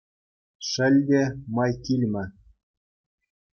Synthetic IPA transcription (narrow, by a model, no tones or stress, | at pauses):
ʂɘ̆lʲdʲemɑjkʲilʲmʲɘ̆